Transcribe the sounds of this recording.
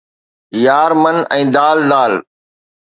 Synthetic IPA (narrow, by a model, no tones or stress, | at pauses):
jaːɾmənʔɛ̃ːd̪aːld̪aːl